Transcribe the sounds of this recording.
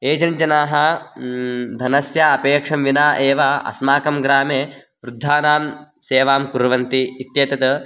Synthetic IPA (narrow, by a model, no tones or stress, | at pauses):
eːd͡ʒɐnt͡ʃɐnaːɦɐ | d̪ʱɐnɐsjaɐpeːkʂɐmʋinaːʔeːʋaʔɐ̰smaːkɐmɡɾaːmeː | ʋɾud̪ʱːaːnaːm | seːʋaːmkuɾɐʋɐnt̪iːt̪jɐt̪ɐt̪ɐ